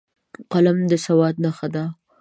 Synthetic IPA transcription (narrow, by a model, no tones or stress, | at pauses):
qalamd̪əsawɑd̪̚naxad̪a